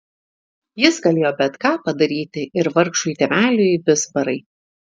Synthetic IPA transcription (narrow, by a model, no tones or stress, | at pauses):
jɪsɡɐlʲeːjoːbʲɛt̪kɑːpɐd̪ɐɾʲiːt̪ʲɪʔɪɾʋɐɾkʃuit̪ʲɛmʲæːlʲʊbʲɪsbɐɾɐɪ